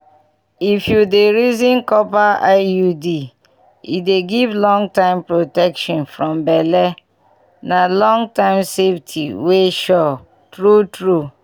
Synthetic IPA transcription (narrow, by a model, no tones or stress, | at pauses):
ifjudeɾizĩnkɔpaaɪjudi | ḭdeɡivlɔ̃ŋtãɪ̃mpɹotɛkʃɔ̃nfɹɔ̃mbɛlɛ | nalɔ̃ŋtãɪ̃mseftʰḭweʃɔ | tɾutɾu